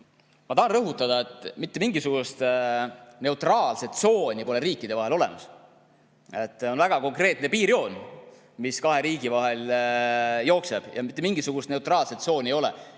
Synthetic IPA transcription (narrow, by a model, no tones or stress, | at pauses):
mɑt̪ɑhɑnrɤɦut̪ːˑɑd̪̥ɑe̞t̪ːˑmit̪ːe̞miŋɡisuɡ̥ust̪ | ne̞wt̪ˑrɑːlse̞t̪so̞ːnʲipo̞le̞ɾiːkːˑid̪̥e̞vɑɦelo̞le̞̰mɑs | e̞t̪ːˑo̞nvæɡ̥ɑko̞ŋkre̞ːt̪ne̞piːɾio̞ːn | miskɑɦe̞ɾiːɡ̥ivɑɦe̞l | jo̞ːkse̞b̥jɑ̰mit̪ːˑemiŋɡ̥isuɡ̥ust̪ne̞wt̪ˑrɑːlse̞t̪so̞ːnʲejo̞lḛ